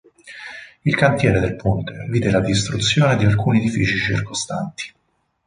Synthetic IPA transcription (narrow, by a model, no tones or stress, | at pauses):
ilkant̪jɛːɾed̪elpunt̪eviːd̪elad̪ist̪ɾut̪sːjoːned̪ialkuːnied̪ifiːt͡ʃit͡ʃḭrkost̪ant̪i̥